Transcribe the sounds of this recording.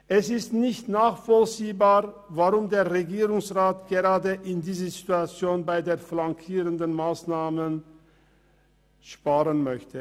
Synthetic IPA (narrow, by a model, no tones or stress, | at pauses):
ʔɛsɪstnɪçtnaːχfɔlt͡siːbaːʁ | vaʁʊmdeːɐʁeɡiːʁʊŋsʁaːtɡ̥eʁaːdəʔɪndiːzəzituat͡sjoːnbaɪdeːɐflaŋkʰiːʁəndənmaːsnaːmən | ʃpaːʁənmœçtə